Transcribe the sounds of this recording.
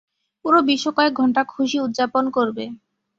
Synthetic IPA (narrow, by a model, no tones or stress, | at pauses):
puɾobiʃːokɔek̚ɡʱɔɳʈakʰuʃiut̪̚ːd͡ʑaponkoɾbe